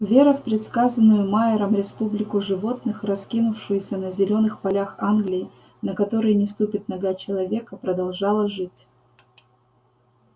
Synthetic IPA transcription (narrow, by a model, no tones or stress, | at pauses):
vʲe̞ɾəfpɾʲɪt̪skazənːʊjʊmaɪɾəmɾʲɪspublʲɪkʊʐɨvo̞t̪nɨxrɐskʲinʊfʂɨjʊsʲənəzʲɪlʲo̞nɨxpɐlʲaxanɡlʲɪjɪ | nəkɐt̪o̞ɾɨjnʲɪst̪upʲɪt̪̚nɐɡat͡ɕɪlˠɐvʲe̞kəpɾəd̪ɐlˠʐɑlˠəʐɨtʲ